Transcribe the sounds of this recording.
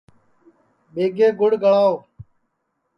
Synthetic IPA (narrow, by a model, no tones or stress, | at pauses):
ɓeːɡeːɡʊɽɡʱəɭaːoː